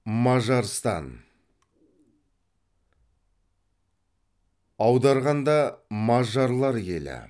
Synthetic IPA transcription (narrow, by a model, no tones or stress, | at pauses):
mɑʒɑɾst̪ɑ̰n | ɑwd̪ɑɾʁɑnd̪ɑmɑʒɑɾlˠɑɾjḛlɪ̰